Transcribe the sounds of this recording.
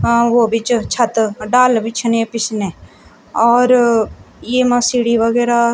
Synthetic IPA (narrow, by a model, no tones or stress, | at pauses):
ʋoːbʱit͡ʃt͡ʃʰɐt̪ɖaːlbʱɪt͡ʃʰnẽpɪsne | ɔːɾ | jeːmãsiːɽiʋəɡɛːɾa